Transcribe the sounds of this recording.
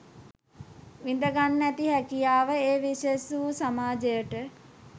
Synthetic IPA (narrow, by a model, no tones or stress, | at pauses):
ʋind̪əɡanːæt̪iɦɛkijaːʋəeːʋiʃesuʋusamaːd͡ʒejəʈə